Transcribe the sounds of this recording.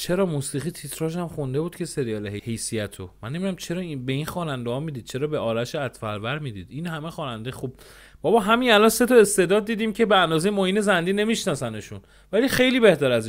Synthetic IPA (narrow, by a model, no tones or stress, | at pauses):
t͡ʃʰe̞ɾɒːmusiːʁit̪ʰit̪ʰɾɒːʃæmχund̪e̞buːd̪̥cʰe̞se̞ɾijɒːleɦehe̞jsijæt̪ʰommænːinæmt͡ʃʰe̞ɾɒːibe̞inxɒːnænd̪ehɒːmiːd̪iːd̪̚t͡ʃʰe̞ɾɒːbeɒːɾæʃeæt̪fæɾbæɾmiːd̪iːd̪iːnhæmexɒːnænd̪exub̥̚ | b̥ɒbɒːɦæminælɒnse̞t̪ʰɒe̞st̪ed̪ɒːd̪̚ːiːd̪iːmcʰebeænd̪ɒːze̞jemoːhiːne̞zænd̪iːne̞miʃnɒːsæneʃun | væliːxe̞jliːbe̞ht̪æɾæzi